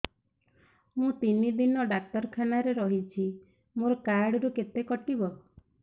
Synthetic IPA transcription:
mũt̪inid̪inɔɖak̚t̪ɔɾkʰanaɾeɾɔɦit͡ʃʰi | moɾɔkaɾɽɔɾuket̪ekɔʈibɔ

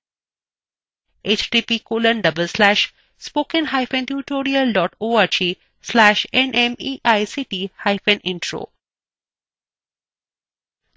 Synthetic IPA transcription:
ʔet͡ʃɖiːpiːkoːlə̃nɖʌbəlslæːʃ | spoːkə̃nɦaɪfẽnt̪juːʈoːɾiəlɖɔːʈoːaɾd͡ʒiː | slæːʃẽnʔẽmiːʔaɪsiːʈiːhaɪfẽnʔɪ̃ɳʈɾo̰ː

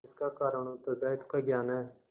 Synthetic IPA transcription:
ɪskaːkaːɾəɳõːt̪əzaːɪd̪kəɡjaːnɛː

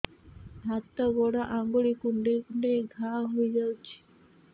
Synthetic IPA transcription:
ɦat̪ːaɡɔɽaʔãŋɡoɭikuɳɖekuɳɖeɡʱaɦoid͡ʒawt͡ʃʰi̥

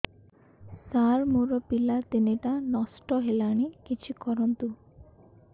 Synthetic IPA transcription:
saɾmoɾɔpilat̪ineʈanɔsʈɔɦelaɽ̃ikit͡ʃʰikɔɾɔnt̪u

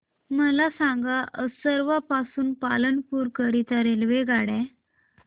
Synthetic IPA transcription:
məlasãŋɡaʔəsəɾʋapasuːnpalənpuːɾkəɾit̪ʰəɾelʋeɡaɽɛ̃

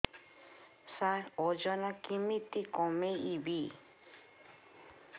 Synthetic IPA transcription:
saod͡ʒonãkimĩt̪ikomẽiβi

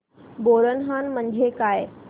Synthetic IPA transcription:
boɾənɦanmənd͡ʑʱekaj

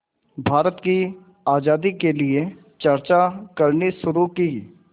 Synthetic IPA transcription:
bʱaːɾət̪ki | aːd͡ʒaːd̪ikelɪe | t͡ʃəɾt͡ʃakəɾniʃʊɾukiː

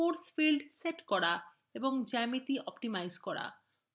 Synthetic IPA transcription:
oɾsfilɖseʈkɔɾa | eboŋd͡ʑɛmit̪iʔɔpʈimajskɔɽa̰

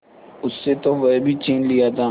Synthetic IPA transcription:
ʊsːet̪oʋɐbʱit͡ʃeːnlijat̪ʰaː

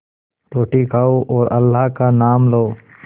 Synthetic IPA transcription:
ɾoːʈikaːoʔoːɾʔɐ̰lːaːkanaːmloː

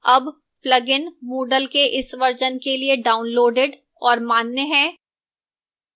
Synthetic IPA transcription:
ɐb | plɐɡɪnmoːɖəlkeʔɪsʋɐɾd͡ʒənkelieɖaːʊnloːɖɪɖ | ɔːɾmaːnːeɦɛ̃ː

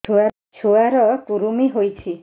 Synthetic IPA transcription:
t͡ʃʰua | t͡ʃʰuaɾɔkuɾumiɦojt͡ʃʰi

